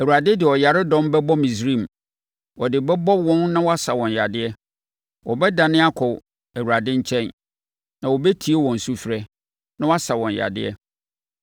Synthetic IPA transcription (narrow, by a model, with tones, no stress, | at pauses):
æ˨wu˨a˨dɪ˦dɪ˨ɔ˨ja˨ɾɪ˦dɔ̃˦mbɛ˦bɔ˦mĩ˨sɾĩ˦˨m˨ | wɔ˨dɪ˨bɛ˦bɔ˦wɔ̃˦nnã˦wɔ˦a˦sa˨wɔ̃˨nja̰˨dɪ˦ɛ˦ | wʔɔ˨bɛ˦da˨nɪ̃˦a˦kʰɔ˨ | æ˨wu˨ɾa˨dɪ̃˦ɲ̩˦t͡ɕʰɛ̃˦˨n | nã˨wɔ˨bɛ˦tʰi˨e˦wɔ̃˨n̩˨su˦fɪ˨ɾɛ˦ | nã˦wɔ˦a˦sa˨wɔ̃˨n˨ja̰˨dɪ̰˦ɛ̰˦